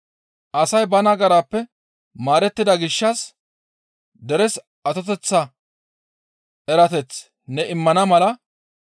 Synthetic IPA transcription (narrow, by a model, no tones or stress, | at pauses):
ʔɐsɐjbɐnɐɡɐɾaːpːɛ | maːɾɛt̪ːɪd̪ɐɡɪʃːɐs | d̪ɛɾɛs | ɐt̪ɔt̪ɛt͡sːɐ | ɛɾɐt̪ɛt͡s | nɛɪmːɐnɐmɐlɐ